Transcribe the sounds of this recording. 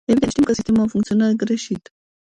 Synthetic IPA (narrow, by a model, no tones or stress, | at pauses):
evid̪eʃt̪imkəsist̪emounfuŋkt̪sionarɡɾe̞ʃit̪